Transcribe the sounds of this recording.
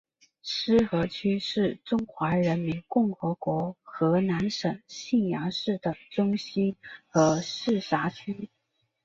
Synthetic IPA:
ʂɻ̩˥xɤ˧˥t͡ɕʰy˥ʂɻ̩˥˩ʈ͡ʂʊ˥ŋxwa˧˥ɻə˧˥nmi˧˥nkʊ˥˩ŋxɤ˧˥kwɔ˧˥xɤ˧˥na˧˥nʂɤ˨˩ŋɕi˥˩njɑ˧˥ŋʂɻ̩˥˩d̪ə˩ʈ͡ʂʊ˥ŋɕi˥nxɤ˧˥ʂɻ̩˥˩sa˧˥t͡ɕʰy˥

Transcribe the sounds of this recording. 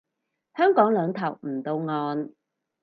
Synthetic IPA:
hœː˥ŋkɔː˨˥ŋlœː˨˧ŋt̪ʰɐ˨˩wm̩˨˩t̪o˧wŋɔː˧n

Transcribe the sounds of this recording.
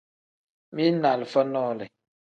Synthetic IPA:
mi˦na˨lfə˦nɔ˦lɛ˨

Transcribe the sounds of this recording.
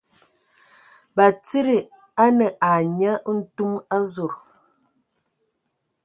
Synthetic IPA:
ba˨t͡si˦ɾi˨ | a˦nə˨ʔa˨ɲa˦n̩˦tu˦ma˦zo˨ɾ

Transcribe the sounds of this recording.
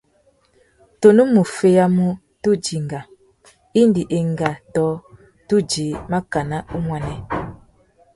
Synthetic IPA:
to˨nu˦mu˨fe˦ja˦mu˦ | tu˦d͡ʒi˨ŋɡa˨ | i˦ndi˨ʔe˨ŋɡa˨tɔ˦ | tu˦d͡ʒi˨˦ma˦ka˨na˦u˦mwa˨nɛ˦

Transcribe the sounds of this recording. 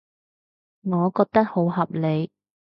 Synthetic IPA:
ŋɔː˨˧kɔː˧k̚t̪ɐ˥k̚ho˨˥wɦɐ˨p̚le˨˧j

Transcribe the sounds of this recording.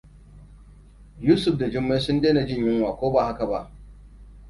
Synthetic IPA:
juː˦sʊ˨ɸda˨d͡ʒɪ˦mːe˦sʊ˦ndeː˦na˨d͡ʒɪ˦˨ɲjɪ˦ŋwaː˨kʷoː˦ba˨ha˦ka˨ba̰˦ʔ

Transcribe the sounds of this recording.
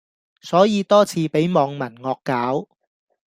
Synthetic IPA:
sɔː˨˥jiː˨˧t̪ɔː˥t͡sʰiː˨˧pe˨˥jmɔː˨˧ŋmɐ˨˩nŋɔː˧kːaː˨˥w

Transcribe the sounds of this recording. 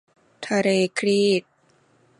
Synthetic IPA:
t̪ʰaː˧ɾeː˧kʰɾiː˥˩t̪̚

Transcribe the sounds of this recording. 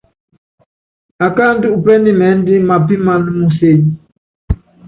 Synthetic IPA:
a˨ka˦n˦du˦ʔu˨pɛ˦ni˦mɛ˨˦n˦di˦ma˨pi˦ma˦n˦mu˦se˨ɲi˦

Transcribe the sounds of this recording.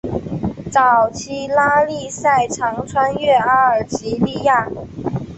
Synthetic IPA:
t͡sɑ˨˩ʊt͡ɕʰi˥˩la˥li˥˧sa˥˩ɪʈ͡ʂʰɑ˧˥ŋʈ͡ʂʰwa˥nɥɛ˥˩a˧˥ə˞˨˩t͡ɕi˧˥li˥˧ja˥˩

